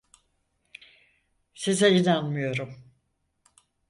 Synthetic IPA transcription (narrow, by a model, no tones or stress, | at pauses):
sizajinanmɯjo̞ɾum